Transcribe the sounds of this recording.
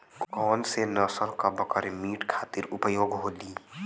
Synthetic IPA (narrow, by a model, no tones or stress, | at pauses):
kkɔːnsenəsəɾkəbəkəɾemiːʈkʰaːt̪iɾʊpəjoːɡɦoːliː